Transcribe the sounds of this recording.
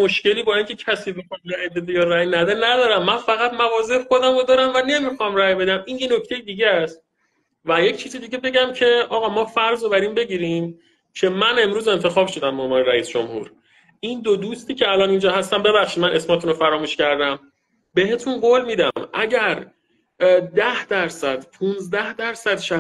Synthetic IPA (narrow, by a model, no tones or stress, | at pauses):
moʃce̞liːbɒːiːncʰe̞cʰæsiːbexɒnræjbe̞d̪ejɒːræjnæd̪enæd̪ɒːɾæmːænfæɣæt̪mævɒːze̞ʔxo̞d̪æmod̪ɒːɾæmvæne̞mixɒmræjbe̞d̪æmʔiːnje̞noct̪ʰejed̪iːɟeæst̪̚ | væje̞cʰt͡ʃʰiːzid̪iːɟe̞be̞ɟæmcʰe̞ʔɒːɣɒːmɒːfæɾzobæɾiːmbe̞ɟiːɾim | cʰe̞mæne̞mɾuːze̞nt̪ʰe̞xɒːbʃo̞d̪æmːovɒːneɾæiːsd͡ʒomhṵɾ | ʔind̪od̪ust̪iːcʰeælɒːnind͡ʒɒːɦæst̪æmbe̞bæxʃid̪mænʔe̞smɒːt̪ʰunofæɾɒːmuʃcæɾd̪æm | be̞he̞t̪ʰunɡolmiːd̪æmʔæɟæɾ | d̪æhd̪̥æɾsæd̪̥pʰunzd̪æhd̪æɾsæd̪ʃæ